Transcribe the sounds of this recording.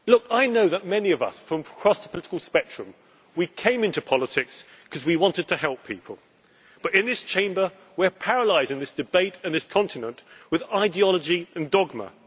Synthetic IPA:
lʊkaɪnoʊðət̚mɛniʌvʌ̰sfɹʌ̃mkʰɹ̥ɑsəpʰəlɪɾɪ̥kəlˠspɛk̚t͡ʃɹ̥ɨ̃m | wikʰẽɪ̃mɪ̃ntʉpʰɑlˠətʰɪks | kʰʌzwiwɑ̃ntɨd̚tʰɨɦɛlˠpʰipʰəlˠ | b̥ʌɾɨ̃nðɪst͡ʃʰẽɪ̃mbə˞ | wiɹpʰæɹəlaɪzɪ̃ŋðɪsd̥ɨbeɪɾɨ̃nðɪskʰɑ̃ntɨnə̃nʔwɨðaɪdiɑlˠəd͡ʒiɨ̃ndɒɡ̚mə̰

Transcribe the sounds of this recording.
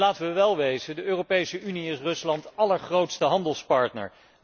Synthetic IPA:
laːtəʋəʋɛlˠʋejzədəøːropejsəʔyniɪsrɵslɑntɑləɹχrowtstəɦɑndəlˠspɑɹtnə̰ɹ

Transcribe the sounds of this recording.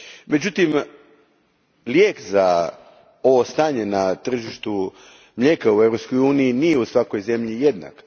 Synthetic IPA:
me̞d͡ʑut̪im | ljeːkza | o̞ʋo̞st̪aːɲe̞nat̪r̩ʒiʃt̪u | mʎeːkaue̞vɾopsko̞juːnijinijeusʋako̞jze̞mʎije̞d̪na̰k

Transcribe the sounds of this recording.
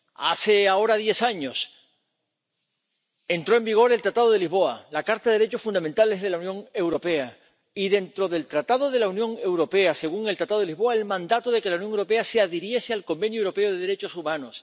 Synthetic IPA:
a̰se̞ao̞ɾaðje̞saɲo̞s | ent̪ɾo̞e̞mbiɣ̞o̞ɾe̞lt̪ɾat̪aðo̞ð̞e̞lizβo̞alakaɾt̪aðeeɾet͡ʃo̞sfund̪amẽnt̪ale̞zð̞e̞launjõ̞ŋe̞wɾo̞pe̞a | iðe̞nt̪ɾo̞ðe̞lt̪ɾat̪aðo̞ð̞e̞launjõ̞ŋe̞wɾo̞pe̞ase̞ɣ̞uŋelt̪ɾat̪aðo̞elizβo̞aelmãnd̪at̪oð̞e̞kelaunjoŋewɾo̞pe̞aseaðeɾje̞sealko̞mbẽ̞njoewɾo̞pe̞oð̞eðe̞ɾe̞t͡ʃo̞sumãno̞s

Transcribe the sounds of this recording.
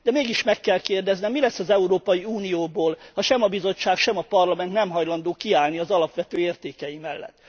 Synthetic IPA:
d̪̥ɛmeːɡiʃmɛkːɛlkeːrd̪ɛznɛmːilɛsːɒzɛuɾoːpɒjiuːnijoːboːlhɒʃɛmɒbizo̞t͡ʃːaːkʃɛmɒpɒrlɒmɛnt̪nɛmɦɒjlɒnd̪oːkiaːlniɒzɒlɒpʋɛt̪øːeːrt̪eːkɛjimɛlːɛ̰t̪ː

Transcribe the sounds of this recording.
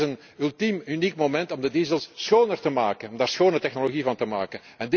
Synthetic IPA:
zən | ylˠtimynikmomɛntɔmdədiːzəlˠsːxoːnərtəmaːkənɔmdaːrsxoːnətɛxnoloɣivɑntəma̰ːkən | ɛnd

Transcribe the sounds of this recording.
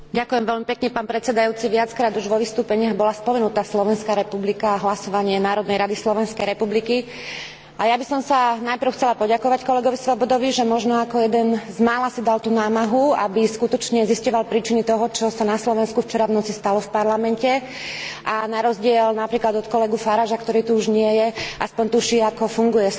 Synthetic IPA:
ɟakujɛmʋɛlmipɛkɲɛpaːnpɾɛt͡sɛd̪ajuːt͡siʋɪat͡skɾaːd̪uʒʋɔʋist̪uːpɛɲɪaɣbɔlaspɔmɛnut̪aːslɔʋɛnskaɾɛpublikaɦlasɔʋaɲɪɛnaːɾɔd̪nɛjɾad̪islɔʋɛnskɛjɾɛpubliki | ʔajabisɔmsanajpr̩ʊxt͡sɛlapɔɟakɔʋackɔlɛɡɔʋisʋɔbɔd̪ɔʋiʒɛmɔʒnɔakɔjɛd̪ɛnzmaːlasid̪alt̪uːnaːmaɦua̰biskut̪ɔt͡ʃɲɛziscɔʋalpɾiːt͡ʃinit̪ɔɦɔt͡ʃɔsanaslɔʋɛnskuft͡ʃɛɾavnɔt͡sist̪alɔfpaɾlamɛncɛ | ʔanaɾɔzɟɪɛlnapɾiːklad̪ɔt̪kɔlɛɡufaɾaːʒakt̪ɔɾiːt̪uuʒɲɪɛjɛʔaspɔɲt̪uʃiːakɔfuŋɡujɛ

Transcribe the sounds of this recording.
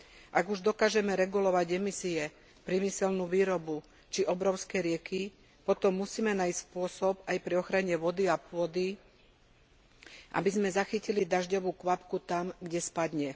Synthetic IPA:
ʔaɡuʒd̪ɔkaːʒɛmɛɾɛɡulɔʋaɟɛmisiɛ | pɾimisɛlnuːʋiːɾɔbu | t͡ʃiʔɔbɾɔʊskɛɾɪɛki | pɔt̪ɔmːusiːmɛnaːjsspʊɔsɔpajpɾiɔxɾaɲɛʋɔd̪iapʊɔd̪i | ʔa̰bizmɛzaxicilid̪aʒɟɔʋuːkʋapkut̪amɡɟɛspad̪ɲɛ

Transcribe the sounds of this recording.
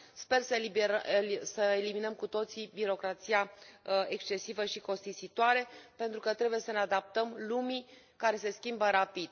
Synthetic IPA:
spe̞rsə | səeliminəmkut̪o̞t̪sibiɾo̞kɾat̪sijae̞kst͡ʃe̞sivəʃiko̞st̪isit̪oaɾe̞pe̞nt̪ɾukət̪ɾe̞buje̞səne̞ad̪ap̚t̪əmlumi | kaɾe̞se̞skʲimbəɾapid̪̥

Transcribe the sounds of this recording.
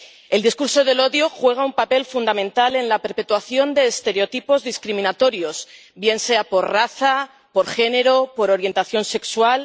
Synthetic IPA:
e̞ld̪iskuɾso̞ðe̞lo̞ðjoxwe̞ɣ̞aumpape̞lfund̪amẽnt̪ale̞nlape̞ɾpe̞t̪waθjo̞nd̪e̞ːst̪e̞ɾeot̪ipo̞zðiskɾimĩnat̪o̞ɾjo̞s | bje̞nse̞apo̞ɾraθa | po̞ɾxe̞ne̞ɾo̞po̞ɾo̞ɾje̞nt̪aθjo̞nse̞kswal

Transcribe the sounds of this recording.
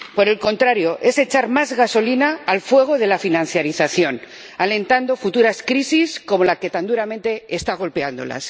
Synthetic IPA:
po̞ɾe̞lkõ̞nt̪ɾaɾjo̞ʔe̞se̞t͡ʃaɾmazɣaso̞linaːlfwe̞ɣ̞o̞ð̞e̞lafinãn̟θjaɾiθaθjo̞n | ale̞nt̪and̪o̞fut̪uɾaskɾisisko̞mo̞lake̞t̪and̪uɾament̪e̞ːst̪aɣ̞o̞lpe̞and̪o̞̰la̰s

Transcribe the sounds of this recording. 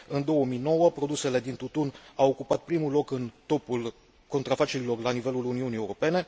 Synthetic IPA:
ɨnd̪o̞wəmijno̞wəpɾo̞d̪use̞le̞d̪int̪ut̪unawokupat̪̚pɾimulo̞kɨnt̪o̞pul | ko̞nt̪ɾafat͡ʃe̞ɾilo̞rlanive̞luluniunieuɾo̞pe̞ne̞

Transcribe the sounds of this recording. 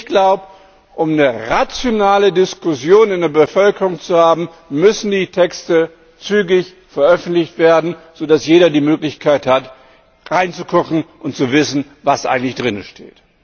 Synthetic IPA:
ɪçɡ̥laʊbə | ʔʊmnəʁat͡sjonaːlədɪskʊsjoːnɪndeːɐbəfœlkəʁʊŋt͡suhaːbm̩ | mʏsn̩diːtʰɛkstə | t͡syːɡɪç | fɛɐʔœfn̩tlɪçtv̥eːɐdn̩z̥oːdasjeːɾɐdiːmøːklɪçkʰaɪthat | ʁaɪnt͡sukʰʊkŋ̩ʔʊntt͡suvɪsn̩ | vasʔa̰ɪɡŋ̩tlɪçd̥ʁɪnəʃtʰḛːt

